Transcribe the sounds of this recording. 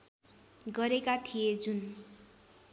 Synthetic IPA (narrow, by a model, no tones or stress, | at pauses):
ɡʌɾekat̪ʰijed͡zun